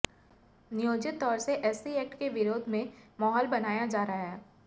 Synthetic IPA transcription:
nɪjoːd͡ʒɪt̪ːɔːɾseʔɛːsiɛːk̚ʈkeʋɪɾoːd̪ʱmẽmɔːɦɔːlbɐnaːjad͡ʒaːɾɐɦaɦɛː

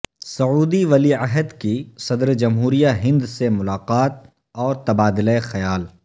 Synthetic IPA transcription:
sɐuːd̪iʋɐliɐɦəd̪kisɐd̪ɾd͡ʒɐmɦuːɾijaɦɪ̃nd̪semʊlaːqaːt̪̚ | ɔːɾt̪ɐbaːd̪ləexɐjaːl

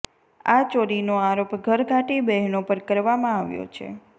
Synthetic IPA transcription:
at͡ʃoɾinoaɾopɡʱəɾɡʱaʈibɛɦnopəɾkəɾʋamãaʋjo̰t͡ʃʰḛ

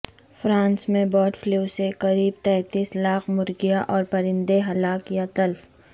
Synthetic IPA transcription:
fɾãːnsmẽbɔːʈflusekɐɾiːb̚t̪ɛ̃ːt̪iːslaːqmʊɾɡɪjaʔɔːɾpɐɾɪ̃nd̪eɦɐlaːkjat̪ɐlf

